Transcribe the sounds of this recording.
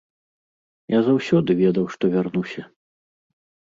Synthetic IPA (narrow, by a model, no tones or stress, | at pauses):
jazawsʲɔd̪ɨvʲɛd̪ɐwʂt̪ɔvʲarnusʲɐ